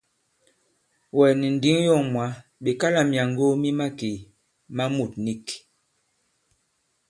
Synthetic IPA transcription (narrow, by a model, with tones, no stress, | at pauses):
wɛ˨ni˨n̩˨di˦ŋ˦jɔ˦˨ŋmwa˨˦be˨ka˦la˨mja˨ŋɡo˦mi˦ma˦ki˨ | ma˦mu˨t̚ni˦k